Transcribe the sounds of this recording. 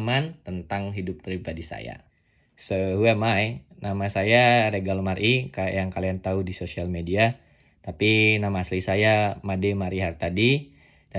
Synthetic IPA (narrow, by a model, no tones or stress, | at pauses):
mant̪ənt̪aŋɦidʊppɾibadisa̰ja̰ | səhuɛmajnamasajaɾeɡalmaɾʔika̰jaŋkaliant̪audisosialmedia | t̪apinamaːslisajamademaɾiɦart̪adi | da